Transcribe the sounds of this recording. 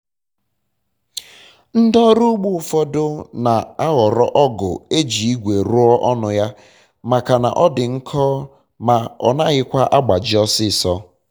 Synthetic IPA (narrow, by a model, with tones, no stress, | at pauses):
n̩˦dɔ˦ɾu˦ɡ͡bu˦˨˦fɔ˦dʊ˦na˨a˦ɣɔ˨ɾɔ̰˦ʔɔ˦ɡʊ̰˨e˦d͡ʒi˨i˦ɡʷe˨ɾʊ˦ɔ˦ʔɔ˦nʊ˨ja˦ | ma˨ka˨na̰˨ʔɔ˦dɪ˨ŋ̩˦kʰɔː˦ | ma˨ɔ˨na˦ɣɪ˦kʷa˦ʔa˦ɡ͡ba˨d͡ʒɪ˦ɔ˦sɪ˦˨sɔ˦